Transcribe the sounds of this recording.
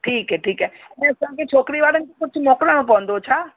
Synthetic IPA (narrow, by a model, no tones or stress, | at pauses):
ʈʰiːkɦɛːʈʰiːkɛ | nesãket͡ʃʰoːkɾiʋaːɾənk̪ekʊt͡ʃʰmɔːkɽãõp̬ɔ̃nd̪ot͡ʃʰaː